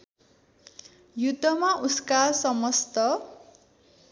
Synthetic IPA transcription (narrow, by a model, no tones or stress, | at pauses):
jud̪ʱːʌmaʔuskasʌmʌst̪ʌ